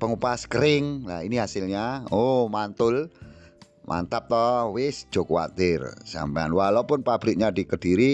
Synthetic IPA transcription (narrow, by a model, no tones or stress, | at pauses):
pəŋupaskəɾɪŋla̰iniɦasɪlɲaomant̪ʊl | mʔa̰nt̪ap̚t̪ɔwɪsd̥ʒ̥o̤kuwa̰t̪ɪrsa̰mpaanwalapʊnpab̥ɾɪk̚ɲad̥ikəɖ̥iɾi